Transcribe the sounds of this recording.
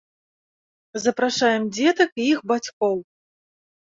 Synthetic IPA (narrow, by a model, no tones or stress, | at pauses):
zɐpɾaʂajɛmd͡zʲɛt̪ɐkiixbat͡sʲkɔw